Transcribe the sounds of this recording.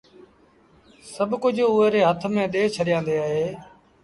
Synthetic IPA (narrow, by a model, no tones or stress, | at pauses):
səbkʊd͡ʒʱʊːeːɾeːɦət̪ʰmẽːɗ̪eːt͡ʃʰəɗɪjãːnd̪eːaːɦeː